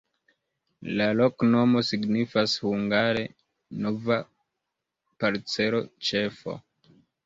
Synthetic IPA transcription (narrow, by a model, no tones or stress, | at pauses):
lalo̞kno̞mo̞siɡnifashuŋɡaɾe̞ | no̞va | paɾt͡se̞lo̞t͡ʃe̞fo̰